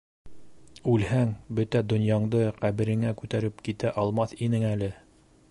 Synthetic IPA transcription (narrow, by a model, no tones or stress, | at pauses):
ʉlhæŋbɵt̪æd̪ŏnjɑɴd̪ɤqæβɘ̆ɾɘ̆ŋækʉt̪æɾɘpkit̪æʔɑlˠmɑθinɘŋælɘ